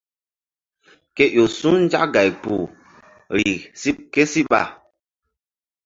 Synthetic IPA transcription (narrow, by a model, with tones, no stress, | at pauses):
kɛ˦ʔjo˨su˦n̩˦d͡ʒa̰˦ʔɡa˨jpu˨ | ɾi˨si˦ke˦si˦ɓa̰˦˨